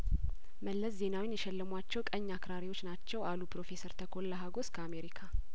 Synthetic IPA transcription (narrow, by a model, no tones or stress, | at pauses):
məlːəsze̞nawinjɛʃɛlːəmwat͡ʃːɛwkʼəɲːakɾaɾiwo̞t͡ʃːnat͡ʃːɛwalupɾo̞fe̞səɾt̪ʰəkʰo̞lːəɦaɡo̞skʰəame̞ɾikʰa